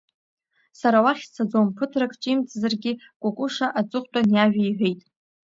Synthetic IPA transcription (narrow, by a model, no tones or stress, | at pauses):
saɾawaχʲt͡sʰad͡zompʰɨtʰrakʰʼt͡ʃʼimt͡sʼzarɡʲɪ | kʷʼʊkʷʼʊʂaʔat͡sʷʼʊχʷʼtʷʼanjaʒᶣajʕʷᶣe̞jtʼ